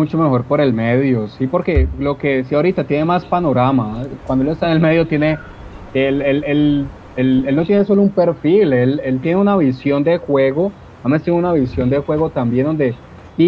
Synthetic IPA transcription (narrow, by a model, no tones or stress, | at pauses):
ut͡ʃo̞me̞xo̞ɾpo̞ɾe̞lmeðjo̞sipo̞ɾke̞lo̞ke̞siaoɾit̪at̪je̞ne̞maspano̞ɾamakwand̪oelest̪anelme̞ðjo̞t̪je̞ne̞ | elelel | elelno̞t̪je̞neso̞loumpe̞ɾfile̞le̞lt̪je̞neunaβisjo̞nd̪e̞xwe̞ɣo | mamẽst̪jenunaβisjo̞nd̪e̞xwe̞ɣo̞t̪ambjend̪o̞nd̪e̞ | i